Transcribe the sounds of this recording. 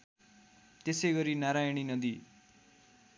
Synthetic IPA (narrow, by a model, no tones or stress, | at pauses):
t̪esʌjɡʌɾinaɾajɽ̃inʌd̪i